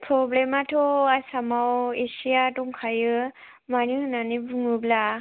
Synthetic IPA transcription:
pʰɾɔblematʰɔasamawesijatɔŋkʰajɯ | manɯnanɯbuŋɯbla

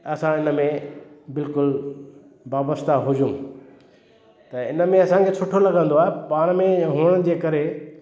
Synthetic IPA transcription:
ɐsãɪnə̆mẽbɪlkʊl | baːbəst̪aɦʊd͡ʑũ | t̪ɐɪnə̆mẽɐsãŋkʰet͡ɕʰoːʈʰolɐɡə̃nd̪oaːɦepaːɽ̃mẽɦʊəɽ̃əd͡ʑeːkɐɾe

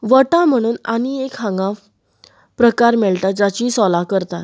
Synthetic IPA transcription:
ʋəʈãm̤əɽ̃uːnañiekɦãŋɡã | pɾəkaɾmɛɭt̪at̪̚d͡ʑat͡ɕiːsɔlakəɾt̪at̪

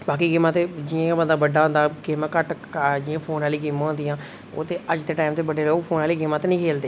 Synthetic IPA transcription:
baːkiːɡeːmãːt̪eːd͡ʒɪãbənd̪aːbəɖaːɦõnd̪aːɡeːmãːkəʈ | d͡ʒɪãːpʰoːnaːliːɡeːmãːɦõnd̪ijãː | o̰ːt̪eːəd͡ʒt̪eːʈaːɪmt̪eːbəɖeːloːɡpʰoːnaːliːɡeːmaːt̪eːnəĩːkʰeːld̪eː

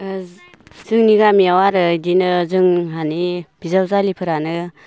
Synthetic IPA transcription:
zɯŋniɡamiawaɾɯdinɯzɯŋɦanib̥izawzalipʰɯɾanɯ

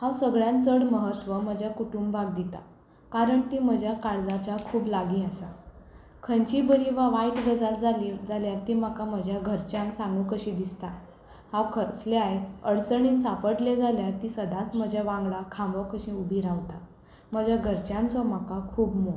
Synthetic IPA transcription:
hãwsəɡɭjãnt͡səɽməɦət̪ʋəm̤əd͡ʑʱjakuʈumbbʱaɡ̚d̪it̪a̰ | kaɾəɳt̪im̤əd͡ʑʱjakaɾd͡zat͡ɕakʰuːblaɡĩasa | kʰənt͡ɕibəɾiʋaʋaiʈɡəd͡zat͡sd͡zʱalid͡zaljaɾt̪im̤akaməd͡ʑʱjaɡʱəɾt͡ɕjãŋksãŋɡukəɕĩd̪ist̪a | hãwkʰət͡sleaɦet̪əɽt͡səɳiːnsapəʈled͡zʱaljaɾt̪isəd̪ʱat͡sm̤əd͡ʑʱjaʋãŋɡɭakʰãmbɔkəɕĩubʱiɾaʋt̪a | m̤əd͡ʑʱjaɡʱəɾt͡ɕjãnt͡sɔm̤akakʰuːbmo

